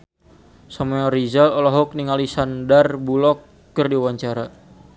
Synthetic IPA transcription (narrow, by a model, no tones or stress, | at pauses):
sameɔɾizalɔlɔɦɔk̚niŋalisandarbulɔkː | ɨrdiwaɲt͡ʃaɾa